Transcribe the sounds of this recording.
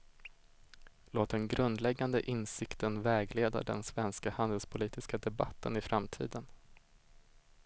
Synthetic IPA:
loːt̪̚d̪ɛnɡɾɵnd̪lɛɡːand̪ə̰ʔɪnsɪkt̪ʰənvɛːɡleːd̪a̰ɖɛ̰nsvɛnskahand̪əlspʰʊliːt̪ɪskad̪ɛbat̪ʰːənɪfɾamt̪ʰḭːd̪ən

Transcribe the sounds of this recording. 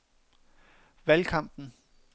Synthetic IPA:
ʋælkʰɑ̈m̰b̥n̩

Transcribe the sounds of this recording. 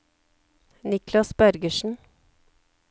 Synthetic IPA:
nɪklɑsbœɾɡəʃn̩

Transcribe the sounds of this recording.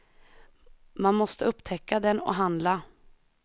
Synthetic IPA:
manmɔst̪əɵpːt̪ʰɛkːad̪ɛnɔ̰ɦand̪la

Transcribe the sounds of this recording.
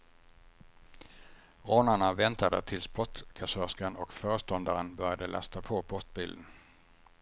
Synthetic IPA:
ʁoːnaɳavɛnt̪ad̪ə̰t̪ʰɪlspɔt̪kʰasœskanɔkfœːɾəst̪ɔnd̪aɾənbœɾjad̪əlʔa̰st̪apʰopʰɔst̪̚bɪːld̪ən

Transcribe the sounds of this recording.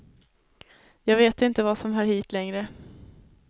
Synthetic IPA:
jɑːɡveːt̪ɪnt̪əvasɔmɦæːɾhiːt̪lɛŋɾə

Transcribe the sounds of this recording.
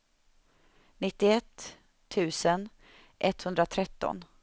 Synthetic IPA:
nɪt̪ːɪɛt̪ʰː | ʉ̟ːsən | ʔɛt̪ːhɵnd̪ɾat̪ʰɾɛt̪ːɔ̰n

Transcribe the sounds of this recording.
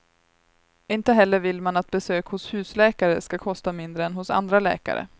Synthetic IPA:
ɪnt̪əɦɛlːəɾvɪlmanat̪̚bɛsøːkhʊshʉ̟ːslɛːkaɾəskakʰɔst̪amɪnd̪ɾəɛnɦʊsa̰nd̪ɾalɛ̰ːka̰ɾə̰

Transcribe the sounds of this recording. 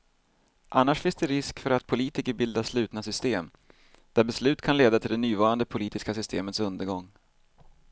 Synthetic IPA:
ʔanːaʂfɪnsd̪ɛɾɪskfœɾat̪pʰʊliːt̪ɪkəɾbɪld̪aʂlʉ̟ːt̪nasʏst̪eːm | d̪̥æɾbɛslʉ̟ːt̪kʰanleːd̪at̪ʰɪld̪ɛnyːvɑːɾand̪əpʰʊliːt̪ɪskas̬ʏst̪eːmət̪sɵnd̪əɾɡɔŋː

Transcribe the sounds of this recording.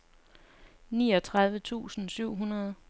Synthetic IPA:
niːɒ̽t͡sʰʁɑ̈ð̞ˠʋət͡sʰṵːsn̩syʊ̰ɦunɐð̞̩ˠ

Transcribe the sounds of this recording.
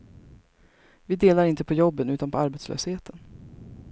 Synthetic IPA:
vɪd̪eːlaɾɪnt̪əpʰɔjɔbːənʉ̟ːt̪anpʰɔaɾbɛt̪slø̰ːsheːt̪ʰən

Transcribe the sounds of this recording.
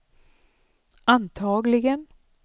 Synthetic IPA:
ɑnt̪ʰɑːɡlɪɡən

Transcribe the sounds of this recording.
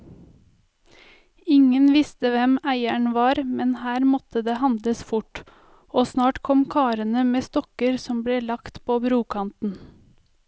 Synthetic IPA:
ɪŋənʋɪst̪əʋɛmæɪæɳʋɑːɾmɛnhæːɾmɔt̪əd̪eːhɑnd̪ləsfʊʈ | oːsnɑːʈkʰɔmkʰɑːɾənəmeːst̪ɔkəɾsɔmbleːlɑkt̪pʰoːbɾuːkʰɑnt̪n̩

